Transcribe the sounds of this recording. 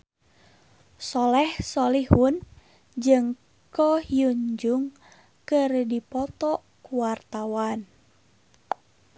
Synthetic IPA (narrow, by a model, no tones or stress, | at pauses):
sɔlɛhsɔlihun | d͡ʒɨŋ | kɔhiuɲd͡ʒuŋ | kɨrdipɔt̪ɔ | kuwart̪awan